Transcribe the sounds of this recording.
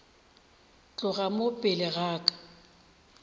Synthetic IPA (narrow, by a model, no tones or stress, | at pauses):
t͡ɬʼʊɣamopʼɪlɪɣaːkʼḁ